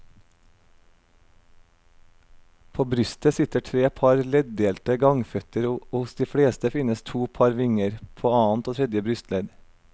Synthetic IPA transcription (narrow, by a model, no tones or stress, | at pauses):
pʰoːbɾʏst̪əsɪt̪əʈʰɾeːpʰɑɾlɛd̪̚d̪eːlt̪əɡɑŋfœt̪əɾʊsd̪iːfɽeːst̪əfɪnəst̪ʰuːpʰɑɾʋɪŋəɾpʰoːɑːnt̪oːt̪ʰɾɛd̪jəbɾʏst̪lɛd̪